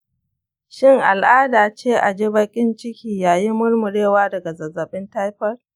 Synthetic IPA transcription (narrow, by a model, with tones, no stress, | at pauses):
ʃɪ˦˨ŋʔa˨lʔaː˦daː˨t͡ʃeː˦ʔa˨d͡ʒi˦bɐ˦kʲʼɪ˦nt͡ʃɪ˦kʲiː˨jaː˨ji˦mʊ˦rmʊ˨ɽeː˦˨waː˦dɐ˨ɡa˨zɐ˨zɐ˨ɓɪ˦nta˦jɸɐ˦r